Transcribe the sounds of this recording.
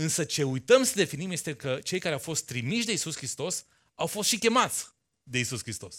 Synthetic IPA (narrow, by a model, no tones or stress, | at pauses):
ɨnsət͡ʃe̞ujt̪əmsəd̪e̞finimjest̪e̞kət͡ʃe̞jkaɾeawfo̞st̪ːɾimiʃd̪e̞isuskɾist̪o̞s | awfo̞st̪ʃikʲe̞mat̪sʲ | d̪e̞isuskɾist̪o̞s